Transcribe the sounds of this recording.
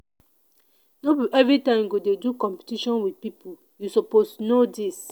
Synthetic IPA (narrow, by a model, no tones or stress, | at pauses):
nobiʔɛvɹitãɪ̃mɡodedukɔ̃mpi̥tiʃɔ̃nwidpipʰul | jusopostunodis